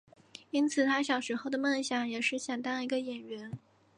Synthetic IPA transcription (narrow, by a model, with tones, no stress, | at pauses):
i˥nt͡sʰɹ̩˨˩t̪ʰa˥ɕjɑ˨˩ʊʂɻ̩˧˥xo˥˩ʊd̪ə˩mə˥˩nɕjɑ˨˧˥ŋjɛ˨˩ʂɻ̩˥˩ɕjɛ˨˩nt̪ɑ˥ni˧˥ɡə˧jɛ˨˩nɥɛ˧˥n